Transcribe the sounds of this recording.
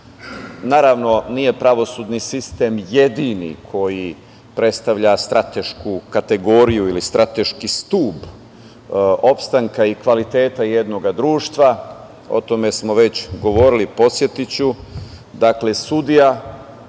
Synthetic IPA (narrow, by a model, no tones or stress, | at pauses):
naːɾaʋno̞nije̞pɾaʋo̞sud̪nisist̪e̞mje̞d̪inḭkʰo̞ji | pɾe̞t̪st̪aʋʎast̪ɾʔat̪e̞ʃkukat̪e̞ɡo̞ɾijuilist̪ɾat̪e̞ʃkist̪uːb | o̞pst̪aŋkaikʋalit̪e̞ːt̪aje̞d̪no̞ɡad̪ɾuːʃt̪ʋa | o̞̰t̪o̞me̞smo̞ʋe̞t͡ɕɡo̞ʋo̞ɾilipo̞t̪sje̞t̪it͡ɕu | d̪akle̞sud̪ija